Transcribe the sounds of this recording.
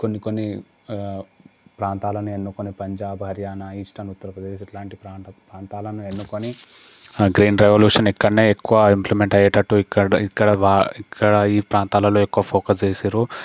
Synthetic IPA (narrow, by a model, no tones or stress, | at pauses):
konːikonːi | pɾaːnt̪aːlɐnue̞nːukonipɐɲd͡ʒaːbɦɐɾjaːnɐiːʂʈɐnut̪ːɐɾɐpɾɐd̪eːʃiʈlaːɳʈipɾaːpɾaːnt̪aːlɐnue̞nːukoni | ɡɾiːnɾeʋɐljuːʂɐnikːɐɽɐneːekːuʋɐimplimeɳʈɐjɐʈːɐʈːuikːɐɽikːɐɽɐʋaːikːɐɽɐiːpɾaːnt̪aːlɐlo̞ːekːuʋɐpʰoːkɐst͡ʃeːsiɾu